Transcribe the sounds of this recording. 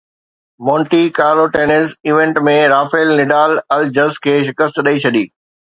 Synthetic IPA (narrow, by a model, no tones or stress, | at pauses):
mõːɳʈikaːloʈeːnɪlziːʋẽɳʈmẽɾaːfeɪlnɪɖaːlɐld͡ʑɐzkʰeːʃɪkəst̪ɗɐit͡ɕʰɐɗiː